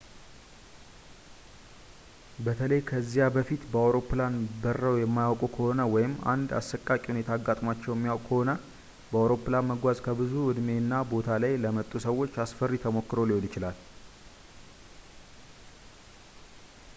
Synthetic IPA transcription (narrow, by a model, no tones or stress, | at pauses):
bət̪ʰələjkʰəzːijabəfit̪bəawɾo̞pːlanbərːəwjɛmːajawkʼukʰəho̞nəwɔjɪma̰nd̪a̰sːəkʼakʼihune̞t̪ʰaːɡːat̪ʼmat͡ʃːɛwjɛmːijawkʼkʰəho̞nə | bəawɾo̞pːlanməɡʷazkʰəbɨzuwʊd̪me̞nːabo̞t̪ʰalajləmət̪ʼːusəwːo̞t͡ʃːasfərːit̪ʰəmo̞kːɨɾo̞lɪhonjɪt͡ʃɪlal